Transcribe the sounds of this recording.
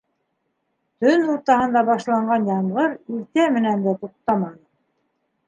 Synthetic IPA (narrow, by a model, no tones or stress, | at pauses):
t̪ɵnuɾt̪ɑhɤ̆nd̪ɑbɑʃlˠɑɴɢɑnjɑɴʁɤɾilt̪æmɘ̆nænd̪æt̪uq̚t̪ɑmɑnɤ